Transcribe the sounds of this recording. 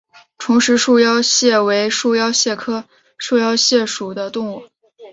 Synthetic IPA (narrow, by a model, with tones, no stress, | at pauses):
ʈ͡ʂʰʊ˧˥ŋʂɻ̩˧˥ʂu˥˧jɑ˥ʊɕjɛ˥˩we˧˥ɪʂu˥˧jɑ˥ʊɕjɛ˥˩kʰɤ˥ | ʂu˥˧jɑ˥ʊɕjɛ˥˩ʂu˨˩d̪ə˦t̪ʊ˥˧ŋwɔ˥˩˦